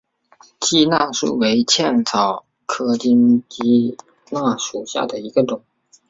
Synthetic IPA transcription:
t͡ɕi˥na˥˧ʂṵ˥˩we˧˥ɪt͡ɕʰjɛ˥˩nt͡sʰɑ˨˩ʊ | kʰɤ˥t͡ɕi˥nt͡ɕi˥ | na˥˩ʂu˨˩ɕja̰˥˩d̪ə˩i˧˥ɡə˧ʈ͡ʂʊ˨˩˦ŋ

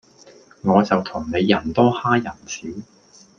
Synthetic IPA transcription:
ŋɔː˨˧t͡sɐ˨wt̪ʰʊ˨˩ŋne˨˧jːɐ˨˩nt̪ɔː˥haː˥jɐ˨˩nt͡sʰiː˨˥

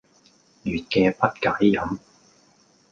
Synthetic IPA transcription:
jyː˨˩t̚kɛː˧pɐ˥t̚kaː˨˥jːɐ˨˥m

